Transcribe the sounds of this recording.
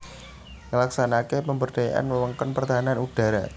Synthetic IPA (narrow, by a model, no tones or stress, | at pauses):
ŋəlaksanakepəmbərɖ̥aja̰ʔa̰nməwəŋkɔnpərt̪aɦananud̥a̤ɾa̰